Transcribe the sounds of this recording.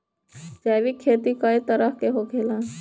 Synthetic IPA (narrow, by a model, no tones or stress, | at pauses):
d͡ʒaːʋikʰeːt̪ikait̪əɾəhkeɦokʰeːlã